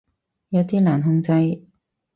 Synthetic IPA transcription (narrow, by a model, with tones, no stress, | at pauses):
jɐ˨˧wt̪iː˥laː˨˩nɦʊ˧ŋt͡sɐ˧j